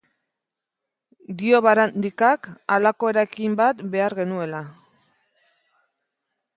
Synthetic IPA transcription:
d̪io̞βaɾand̪ikakalako̞e̞ɾaekimbat̪be̞aɾɣe̞nue̞la

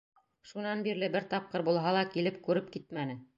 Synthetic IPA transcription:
ʃunɑnbiɾlɘbɘɾt̪ɑp̚qɤɾbulˠɦɑlˠɑkilɘp̚kʉɾɘp̚kit̪̚mænɘ

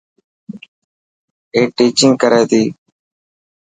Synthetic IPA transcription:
eːʈiːt͡ʃɪ̃ŋɡkəɾeːt̪iː

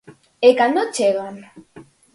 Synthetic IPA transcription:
ekand̪ot͡ʃeɣan

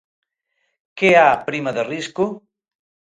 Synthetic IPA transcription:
keapɾimaðeriskʊ

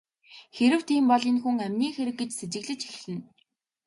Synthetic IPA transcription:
xeɾɘ̆wt̪ʰiːmpɔɮĭnxuŋæmʲniːxeɾɘ̆k̚ɡet͡ɕset͡ɕɪ̆ɣɮɘ̆t͡ɕi̥xɮɘ̆n

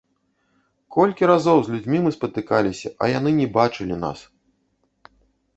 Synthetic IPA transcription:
kɔlʲkʲiɾazɔwzʲlʲud͡zʲmʲimɨspɐt̪ɨkalʲisʲɐ̰ʔɐ̰janɨnʲɛbat͡ʂɨlʲina̰s

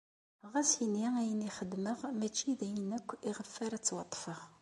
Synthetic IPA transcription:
ʁæsiniæjəniχəd̪məʁmæt͡ʃːiðæjnækʷːiʁəfːəɾæt͡sːwɑt̪ˤːfəʁ

